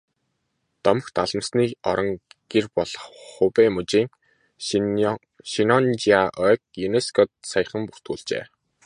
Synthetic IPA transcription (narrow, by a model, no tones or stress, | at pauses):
t̪ɔmə̆xt̪aɮə̆msniːɔɾɞ̆ŋɡ̥erpɔɮɞχχʊpemɵt͡ɕiːŋ | ʃinɔnt͡ɕiaʔœk̚juneskʰɔt̪sajə̆χə̆mpur̥t̪ɡuːɮt͡ɕḛː